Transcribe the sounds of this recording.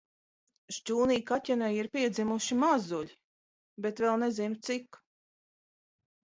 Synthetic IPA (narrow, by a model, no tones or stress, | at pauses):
ʒt͡ʃuːniːkatʲɛnɛjiɾpiɛd̪zimuʃimazulʲi | bet̪vɛlˠnezimt̪sik